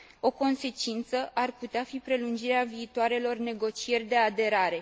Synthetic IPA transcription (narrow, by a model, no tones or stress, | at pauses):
o̞ko̞nse̞t͡ʃint̪səʔarput̪eafipɾe̞lund͡ʒiɾeaviːt̪oaɾe̞lo̞rne̞ɡo̞t͡ʃie̞rʲd̪e̞ad̪e̞ɾaɾe̞